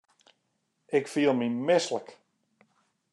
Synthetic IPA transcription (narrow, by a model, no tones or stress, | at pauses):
ɪkfiəlˠmimɪslək